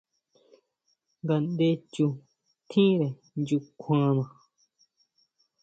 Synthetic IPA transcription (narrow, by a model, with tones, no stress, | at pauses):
ŋɡa˨nd̪e˧t͡ʃu˧ | t̪ʰĩ˦ɾe˨ | nd͡ʒu˧kʰã˧nã˨